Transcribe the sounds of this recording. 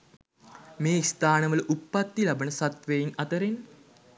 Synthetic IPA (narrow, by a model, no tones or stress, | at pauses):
meːist̪aːnəʋələʔupːat̪ːilabənəsat̪ʋeinat̪əɾen